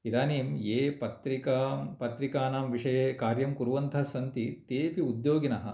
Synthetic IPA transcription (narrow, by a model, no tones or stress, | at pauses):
id̪aːneːmjeːpɐt̪ɾikapɐt̪ɾikaːnaːmʋiʂɐjeːkaːɾjɐmkuɾuʋɐnt̪ʰɐsɐnt̪it̪eːpiud̪joːɡinɐɦɐ̰̆